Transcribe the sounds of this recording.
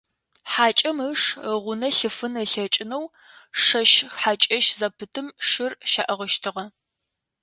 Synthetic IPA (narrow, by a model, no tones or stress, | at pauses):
ħaːt͡ʃʼɐməʂʁʷʊnɐɬɨfɨnəɬɐt͡ʃʼɪnɐw | ʂɐʃħat͡ʃʼɐʃzɐpʰɨtʰɨmʂɪrʃaːʔɐʁəʃtʰɨʁɐ